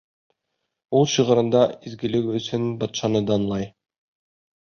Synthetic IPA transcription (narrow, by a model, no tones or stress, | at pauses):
ulˠɕɯ̆ʁɤ̆ɾɤ̆nd̪ɑizɡɘ̆lɘkɵ̆sɵnbɑt̪ʃɑnɤd̪ɑnlˠɑj